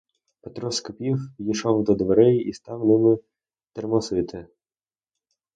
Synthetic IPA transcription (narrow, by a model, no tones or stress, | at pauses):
pet̪ɾɔskɔpʲiwjiʃɔwd̪ɔd̪ʋeɾɪjist̪ɑwnɪmɪ | t̪ermɔsɪt̪ʰɪ